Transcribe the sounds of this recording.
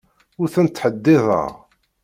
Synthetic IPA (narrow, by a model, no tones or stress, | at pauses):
ʊɾθænt̪ːħəd̪ːɪðˤə̰ʁ